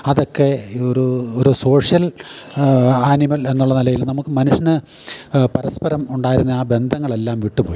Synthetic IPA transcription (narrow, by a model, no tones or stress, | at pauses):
ɐðo̞kːe̞oɾuoɾuso̞ːʂjɐl | aːnimɐle̞nːuɭːɐnilɐjilnɐmukːɨmɐnuʂɐnɨ | pɐɾɐspɐɾɐmuɳɖaːjiɾunːɐaːbe̞nd̪ʱɐŋːɐɭe̞lːaːmʋiʈːupo̞ːji